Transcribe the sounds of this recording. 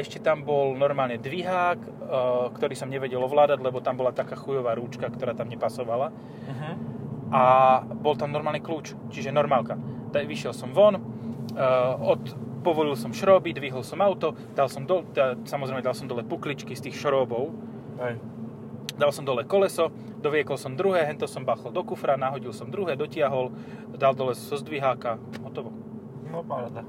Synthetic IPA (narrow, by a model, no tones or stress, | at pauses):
ɛʃcɛt̪ambɔlnɔɾmaːlɲɛd̪ʋiɦaːkː | kt̪ɔɾiːsɔmɲɛʋɛɟɛlɔʋlaːd̪aɟlɛbɔt̪ambɔlat̪akaːxujɔʋaːɾuːt͡ʃkakt̪ɔɾaːt̪amɲɛpasɔʋala | ʔabɔlt̪amnɔɾmaːlɲɛkluːt͡ʃ | t͡ʃiʒɛnɔɾmaːlkat̪aʋiʃɪjɛlsɔmʋɔn | ɔt̪pɔʋɔlilsɔmʃɾɔːbid̪ʋiɦɔlsɔmaʊt̪ɔ | d̪̥alsɔmd̪ɔt̪ɛasamɔzɾɛɪmɛd̪alˠsɔmd̪ɔlɛpuklit͡ʃkist̪iːxʃɔɾɔːbɔʊ | ɛ | d̪alsɔmd̪ɔlɛkɔlɛsɔ | d̪ɔʋɪɛkɔlsɔmd̪ɾuɦɛːɦɛnt̪ɛsɔmbaxɔld̪ɔkufɾanaɦɔɟilsɔmd̪ɾuɦɛːd̪ɔcɪaɦɔl | d̪ald̪ɔlɛsɔzɔzd̪ʋiɦaːka | ɦɔt̪ɔʋɔ | n